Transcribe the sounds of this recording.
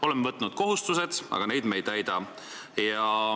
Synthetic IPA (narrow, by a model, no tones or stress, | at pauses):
o̞lemːvɤt̪ːˑnud̪̥̚ko̞ɦust̪use̞d̪̥ɑ̰ɡ̥ɑne̞jd̪̥me̞jt̪æjd̪̥ɑ | jɑ